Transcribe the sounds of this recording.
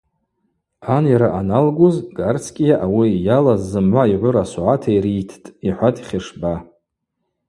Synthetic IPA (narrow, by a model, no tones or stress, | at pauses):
anjaɾaʔanalɡʊzɡart͡sʰkʲʼijaʔawijalazːɨmʕʷaiʕʷʊɾasuʕatʰaiɾitʰtʼiħʷatʰʼi̥χʲɪʂba